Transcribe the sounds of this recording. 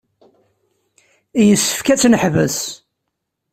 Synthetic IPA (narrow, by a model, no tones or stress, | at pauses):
ijəsːə̥fkæt͡sːnəħvəs